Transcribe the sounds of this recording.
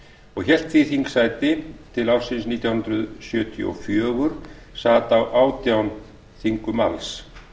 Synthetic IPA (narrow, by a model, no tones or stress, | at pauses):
ɔɣçɛl̥t̪viθiŋksaːjt̪ɪt̪ʰɪlawfsɪnsniːt̪jawhɦʏnɾʏðsjœːt̪ʰj̰ɔ̰fjœːɣʏɾ̥ | saːt̪awʔaːwt̪jawn | θiŋkʏma̰ls